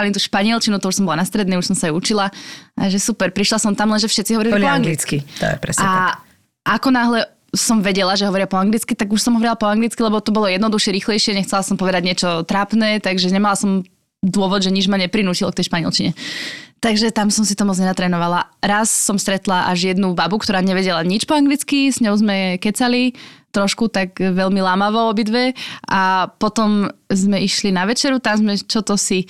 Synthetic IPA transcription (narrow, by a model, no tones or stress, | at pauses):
alint̪uːʃpaɲɪɛlt͡ʃinut̪ɔuʃsɔmbɔlanast̪ɾɛd̪niːuʃsɔmsajɛut͡ʃilaaʒɛsupɛɾpɾiʃlasɔmt̪amlɛnʒɛfʃɛt̪t͡siɦɔʋɔɾilipɔaŋɡlit͡skit̪ɔ̰jɛpɾɛ̰sa | ʔakɔnaɦlɛ | sɔmʋɛɟɛlaʒɛɦɔʋɔɾɪapɔaŋɡlit͡skit̪aɡuʃsɔmɦɔʋɔɾilapɔaŋɡlit͡skilɛbɔt̪ɔbɔlɔjɛd̪nɔd̪uʃɪɛɾiːxlɛjʃɪɛɲɛxt͡sɛlasɔmpɔʋɛd̪aɟɲɪɛt͡ʃɔt̪ɾaːpnɛːt̪aɡʒɛɲɛmalasɔm | d̪ʊɔʋɔd̪ʒɛɲid͡ʒmaɲɛpɾinuːcilɔkt̪ɛjʃpaɲiɛ̰lt͡ʃiɲɛt̪aɡʒɛt̪amsɔmsit̪ɔmɔd͡zɲɛnat̪ɾɛːnɔʋalaɾasːɔmst̪ɾɛt̪laʔaʒjɛd̪nubabukt̪ɔɾaːɲɛʋɛɟɛlaɲit͡ʃpɔaŋɡlit͡skisɲɔʊzmɛkɛt͡salit̪ɾɔʃkut̪aɡʋɛʎmilaːmaʋɔɔbid̪ʋɛʔapɔt̪ɔmzmɛiʃlinaʋɛt͡ʃɛɾut̪amzmɛt͡ʃɔt̪ɔsi